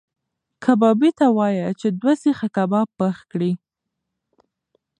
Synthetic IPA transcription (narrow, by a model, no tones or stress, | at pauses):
kʰabɑbit̪awɑjat͡ʃed̪wasixakabapəxkɽi